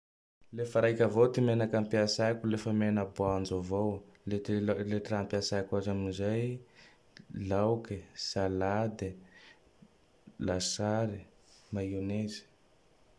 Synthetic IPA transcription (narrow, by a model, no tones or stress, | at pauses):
lefəɾajkʲəvot̪imenakampiasakʲulefəmenəbuand͡ʒovowleleʈ͡ʂrampiasajkazamizaj | lawkisalad̪e | lasaɾi | mainezi̥